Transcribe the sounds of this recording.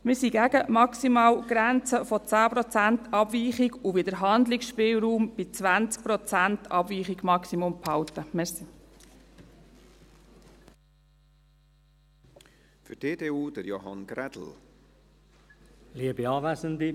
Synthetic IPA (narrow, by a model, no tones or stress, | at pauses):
mɪɾsiɡæɡəmɑksimɑːwɡ̥ɾænt͡səfɔt͡sæːpɾɔt͡sæntʰɑbʋiːχiɡuʋid̪əɾɦɑnd̪lɪksʃpɪːwɾuːmb̥ɪt͡sʋænt͡sk̚pɾɔt͡sæntʰɑbʋiːχiɡmɑksimumphɑwt̪əmɛɾsi | fydeːdeːuːd̥əɾjo̰ɦɑ̰nɡ̥ɾɛd̥l̩ | liəbiɑːʋæzənd̪i